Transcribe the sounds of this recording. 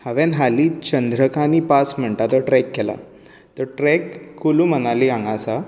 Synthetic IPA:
həʋenɦalit͡ɕənd̪ɾəkaniːpasm̤əɳʈat̪ɔʈɾɛkːɛla̰ | t̪ɔɾʈɾɛkːulũm̤ənaliãŋɡasa

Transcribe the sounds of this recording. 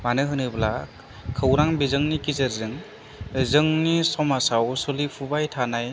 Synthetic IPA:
manɯɦɯnɯbla | kʰɯwɾaŋbizɯŋnikizɯɾzɯŋ | zɯŋnisɔmasawsolipʰubajtʰanaj

